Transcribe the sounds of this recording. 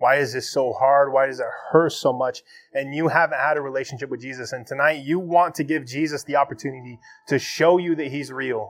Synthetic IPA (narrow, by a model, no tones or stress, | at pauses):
waɪɨzðɪsoʊhɑɹd̚waɪɾʌzɨt̚hɜ˞soʊmʌt͡ʃɨ̃njɨhæṽn̩t̚hɨɾɨɹileɪʃn̩ʃɪp̚wɨðd͡ʒizɨsɨ̃ntʰɨnaɪtɨwɑ̃ntʰɨɡɪvd͡ʒizɨsðiɑpə˞tʰʉnɨɾiɾɨʃoʊjɨðɨt̚hizɹilˠ